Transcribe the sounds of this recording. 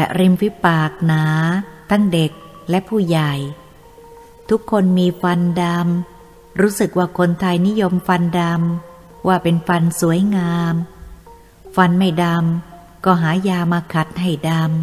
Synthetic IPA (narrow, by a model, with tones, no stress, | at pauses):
lɛ˨˩ɾi˧mpʰi˦˥paː˨˩k̚naː˩˦t̪ʰa˦˥˩ŋde˨˩k̚lɛ˦˥ʔpʰuː˥˩ja˨˩j | t̪ʰu˦˥kʰːo˧nmiː˧fa˧nda˧m | ɾuː˦˥sɯ˨˩k̚waː˥˩kʰo˧nt̪ʰa˧jni˦˥jo˧mfa˧nda˧m | waː˥˩pe˧nfa˧nsu˩˦əjŋaː˧m | fa˧nma˥˩jda˧m | kɔː˥˩ɦaː˩˦jaː˧maː˧kʰa˨˩t̪̚ha˥˩jda˧m